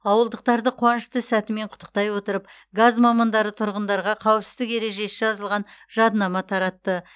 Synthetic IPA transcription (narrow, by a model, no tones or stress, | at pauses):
ɑwəlˠd̪əq̚t̪ɑɾd̪əqʰwɑnəʃt̪əsæt̪ɪme̞ɴqʰʊ̥t̪ʰːə̥q̚t̪ɑjwo̞t̪əɾəp̚ | ɡazmɑmɑnd̪ɑɾət̪ʰʊɾʁənd̪ɑɾʁɑqʰɑwəpsɪzd̪ɪke̞ɾe̞ʒe̞sɪʒɑzəlˠʁɑnʒ̥ɑd̪nɑmɑt̪ʰɑɾɑt̪ːə